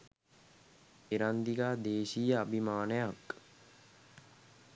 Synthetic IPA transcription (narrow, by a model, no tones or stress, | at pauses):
eɾand̪iɡaːd̪eːʃijəabʱimaːnəjak